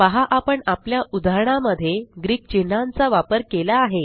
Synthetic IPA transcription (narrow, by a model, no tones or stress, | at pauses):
ʋaɦaʔapəɳapljaʔud̪ʱaɾɳaməd̪ʱːjeɡɾiːk̚t͡ɕin̤ːant͡saʋapəɾkelaːɦe